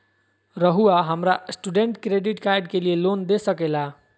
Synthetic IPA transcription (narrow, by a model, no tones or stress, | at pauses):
ɾəɦuaɦəmɾasʈuɖeɳʈkɾeɖiʈkajɖkelielond̪esəkela